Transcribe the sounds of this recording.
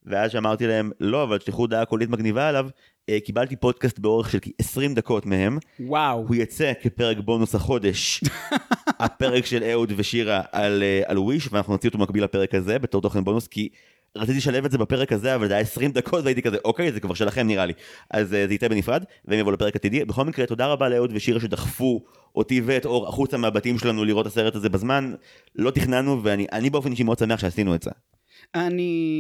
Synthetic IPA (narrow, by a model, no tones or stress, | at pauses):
veazʃeamaʁt̪ilae̞mlo̞avalʃliχud̪aːkolit̪maɡnivaelav | ekibalt̪ipo̞d̪̚kast̪beo̞ʁeχʃelkiʔesʁimd̪ako̞tmeɦe̞mwawhujat͡se̞kepe̞ʁekbo̞nushaχo̞d̪e̞ʃ | ape̞ʁekʃeleud̪veʃiʁaʔalea̰lwiʃveanaχnunot͡siot̪obemakbilhape̞ʁekhaze̞be̞t̪o̞t̪o̞χenbo̞nuski | ʁat͡sit̪̬ileʃalevetzebape̞ʁekhazeavalzajaesʁimd̪akʰo̞tvajit̪ikazeʔo̞ke̞jzekvaʁʃelaχe̞mniʁaliʔa̰zzeitebenifʁad | veemjavoulepe̞ʁekat̪id̪ibeχo̞lmikʁet̪o̞d̪aʁabaleud̪veʃiʁaʃed̪aχfu | ʔot̪iveet̪o̞ʁa̰χut͡shamaːbat̪imʃelanuliʁo̞tase̞ʁet̪aze̞bazman | lo̞t̪iχnanuveaniʔanibeo̞fe̞nʃ̬imeo̞d̥s̬ame̞aχʃeasinuetzḛ | ani